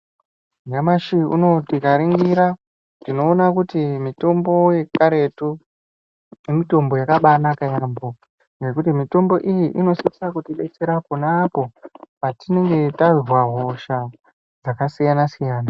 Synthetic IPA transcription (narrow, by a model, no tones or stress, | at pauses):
ŋɡamaʃiṵno̞tikaɾiŋɡiɾa | ndino̞ːnakutimito̞mbo̞je̞kaɾe̞tu | jemito̞mbo̞jakaɓanakajambo̞ | ŋɡe̞kutimito̞mbo̞ʔijiʔino̞siisakutiɓe̞t͡se̞ɾakunapo̞patine̞ŋɡe̞tarirwaɦo̞ʃa | d͡zakasijanasijaːna